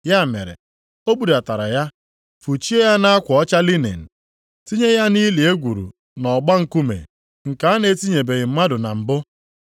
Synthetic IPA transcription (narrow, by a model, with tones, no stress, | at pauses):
ja˦˨mḛ˨ɾḛ˨ | o˦bu˦da˨ta˨ɾa̰˨ja˦ | fu˨t͡ʃi˦e˦ja˦na˦a˦kʷɔ˦t͡ʃa˦li˦nḛ˨n̩˨ | ti˦ɲe˦ja˦ni˦li˨e˦ɡʷu˨ɾṵ˨ | nɔ˨ɡ͡ba˦ŋ̩˨ku˦mḛ˨ | ŋ̩˨ka˨a˦ne˨˦ti˦ɲe˨be˨ɣɪ˨m̩˦ma˦dʊ˨na˨m̩˨bʊ˦